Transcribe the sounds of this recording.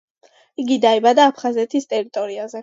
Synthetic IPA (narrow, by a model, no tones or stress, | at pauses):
iɡid̪aibad̪aːpʰχazɛt̪ʰist̪ʼɛɾit̪ʼɔɾiazɛ